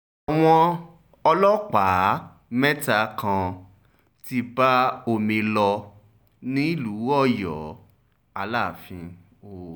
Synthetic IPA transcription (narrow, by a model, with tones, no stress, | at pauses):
a˨w̃ɔ̃˧ | ɔ˧lɔ˦k͡pa˨˦ | mɛ˦ta˧˨kã˧ | ti˧ba˦o˧mĩ˧lɔ˧ | nĩ˦i˦lu˨˦ɔ˦˨jɔ̰˨˦ | a˧la˦˨fĩ˧ | o˦˨